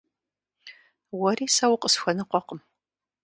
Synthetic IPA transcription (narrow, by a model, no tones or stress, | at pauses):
wɔriːsawʊqəsxʷɐnɨqʷɔqəm